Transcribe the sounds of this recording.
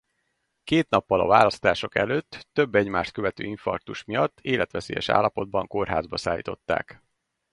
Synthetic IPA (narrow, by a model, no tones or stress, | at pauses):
keːt̪nɒpːɒlɒ̰vaːlɒst̪aːʃo̞kɛ̰løːt̪ːøbːɛɟmaːʃt̪̚køvɛt̪ø̰ːiɱfɒ̰rt̪uʃmijɒt̪ːeːlɛt̪ʋɛsḛːjɛ̰ʃa̰ːlːɒpo̞d̪̚bɒŋko̞rɦa̰ːzbɒsaːlːḭːt̪o̞t̪ːa̰ːk